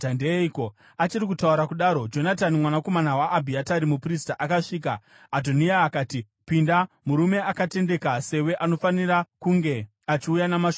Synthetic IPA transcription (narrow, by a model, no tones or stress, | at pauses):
tandeiko | at͡ʃiɾikutauɾakuɗaːɾo̞d͡ʒo̞natanimwanako̞manawaʔːbʱiataɾimupristaʔakaʂiːka̰ː | dʱoniaːkaːti | pinda | muɾume̞akate̞nde̞kase̞we̞ʔano̞fanirakuŋɡe̞ | at͡ʃiujanamaʃo